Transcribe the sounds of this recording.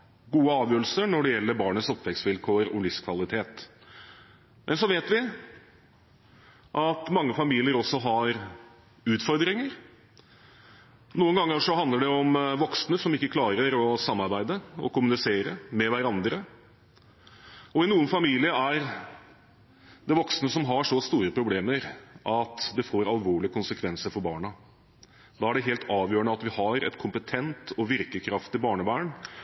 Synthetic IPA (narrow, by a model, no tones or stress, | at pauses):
ɡuːəɑːʋjøːɾl̩səɳɔɖɛjɛlːəɾbɑːɳəsɔpːʋɛksʋɪlkʰoːɾɔ̰lʏfskʰʋɑlɪt̪ʰeːt̪ | mʔɛnsɔʋeːt̪ʋɪ | ʔɑt̪mɑŋːəfɑmiːlɪəɾɔsːɔɦɑɾ | ʉːt̪fɔɾd̪ɾɪŋəɾ | nuːənɡɑŋːəʂɔɦɑnd̪əɖɛɔmʋɔksnəsɔmɪkːəkʰlɑːɾəɾɔsɑmːɑɾbæɪd̪əɔ̰kʊmʉnɪseːɾəmɛʋæɾɑnd̪ɾə | ɔɪnuːənfɑmiːlɪəæɾ | d̪ɛʋɔksnəsɔmɦɑʂɔst̪uːɾəpʰɾʊbleːməɾʔɑt̪d̪ɛfoːɾɑlʋoːɭɪəkʰʊnsəkʰʋɛnsəɾfɔɾbɑːɳɑ | d̪ɑːæɖɛɦeːlt̪ʰɑːʋjøːəɳəɑt̪ʋɪhɑɾɛ̰t̪kʰʊmpət̪ʰɛnt̪ʰɔʋɪɾkəkʰɾɑft̪ɪbɑːɳəbæːɳ